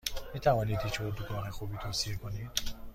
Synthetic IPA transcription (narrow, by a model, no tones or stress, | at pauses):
miːt̪ʰævɒːniːd̪het͡ʃʰboɾd̪uɡɒːɦexuːbiːt̪ʰoːsiekʰoniːd̪̥